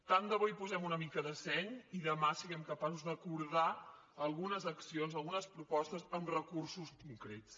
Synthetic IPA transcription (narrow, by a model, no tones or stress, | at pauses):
t̪and̪əβujpuzɛmunəmikəðəsɛɲiðəmasiɣɛmkəpasuzðəkuɾða | əlˠɣunəzəksionzəlˠɣunəspɾupɔst̪əzənrəkursuskuŋkɾett͡s